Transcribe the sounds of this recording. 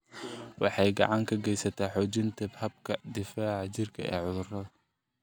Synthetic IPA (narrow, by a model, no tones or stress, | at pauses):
wɑħɑjɡɑ̰ʕɑŋkʰɐɡɛjsɐt̪ʰaːħɔːt͡ʃɪnt̪ʰɐbhɐb̚kʰɐd̪ɪfaːʕɑt͡ʃɪrkʰɐ̰ʔɛ̰ːʕʊðʊrɐðɐ